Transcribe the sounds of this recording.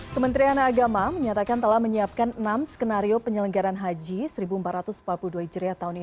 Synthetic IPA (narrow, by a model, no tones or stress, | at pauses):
kəmənt̪ɾianaːɡamaməɲat̪akant̪əlahməɲiap̚kannamskənaɾiopəɲələŋɡaɾanɦad͡ʒisəɾibumpat̪ɾat̪ʊspapluduaid͡ʒəɾiat̪aɦuni